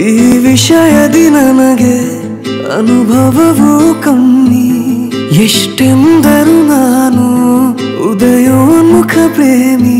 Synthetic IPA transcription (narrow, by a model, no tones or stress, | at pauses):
iːʋiʃɐjɐd̪inɐnɐɡe | ɐ̰nubʱɐʋɐʋokɐmːi | jeʂʈemd̪ʱɐɾunanu | ud̪ɐjomukʰɐpɾeːmi